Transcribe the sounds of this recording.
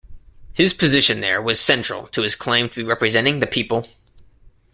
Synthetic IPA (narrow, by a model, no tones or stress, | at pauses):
hɨz̥pʰɨzɪʃɨ̃nðə̰˞wʌz̥sɛ̃nt͡ʃɹ̥̰l̩ˠtʰəɨz̥kʰl̥ẽɪ̃mtʰəbiɹɛpɹɨzɛ̃ɾ̃ɪ̃ŋðɨpʰipl̩ˠ